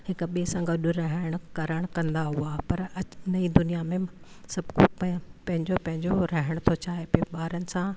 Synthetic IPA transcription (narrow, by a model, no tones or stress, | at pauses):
hɪkʊɓisãɡɐɗʊɾɐɦɪɪɽ̃kɐɾəɽ̃kɐ̃nd̪aɦuapɐɾɐnɐid̪ʊnijamẽ | sɐbʱkopɐpɐ̃ɦɪ̃ɲd͡ʑopɐ̃ɦɪ̃ɲd͡ʑoɾɐɦɪɽ̃t̪ʰot͡ɕaːɦepoɓaːɾənɪ̆sã